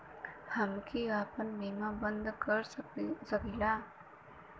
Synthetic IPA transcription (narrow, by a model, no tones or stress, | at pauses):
hamkiapʌnmimabʌnd̪ɡʌrssʌkila